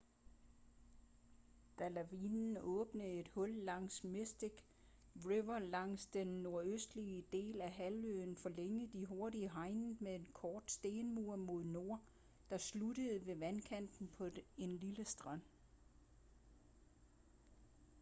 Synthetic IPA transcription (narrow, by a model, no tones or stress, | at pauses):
d̥ælæʋinn̩ɔ̽ːb̥nəe̝d̥hɔ̽lːɑ̈ŋ̰smesd̥iɡ̥ | ʁiʋɐlɑ̈ŋ̰sd̥enːo̝ɐøsd̥liəd̥e̝̰ːlæɦælø̰ːnfɒ̽leŋəðˠd̥iɦo̝ɐɾiəɦɑ̈ɪnmee̝nkʰɒːd̥sd̥e̝ːnmuɐ̰mo̝ð̞ˠno̝ɐ̰ | d̥ɑ̈sluɾ̥əð̩ˠʋe̝ʋænkʰæn̰d̥n̩pʰɒ̽e̝nliləsd̥ʁɑn̰